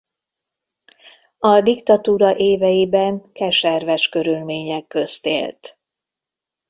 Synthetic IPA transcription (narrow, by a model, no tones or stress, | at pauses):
ɒd̪ikt̪ɒt̪uːɾɒʔeːvɛjibɛŋkɛʃɛrvɛʃkø̞ɾylmeːɲɛkːøst̪ḛːlt̪